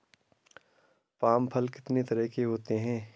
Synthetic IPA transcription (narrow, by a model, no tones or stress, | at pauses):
paːmpʰɐlkɪ̥t̪net̪ɐɾəɦkeɦoːt̪eɦɛ̃ː